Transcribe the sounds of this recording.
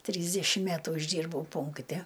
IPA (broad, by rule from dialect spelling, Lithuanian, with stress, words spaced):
ˈtʲrʲiːzʲdʲɛʃʲɪm ˈmʲætʊ ɪʒʲˈdʲiːrbɐʊ ˈpʊŋktʲɛ